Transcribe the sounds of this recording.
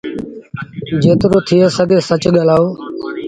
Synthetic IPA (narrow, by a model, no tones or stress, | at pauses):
d͡ʒeːt̪ɪɾoːt̪ʰɪeːsəɡeːsət͡ʃɠəlaːoː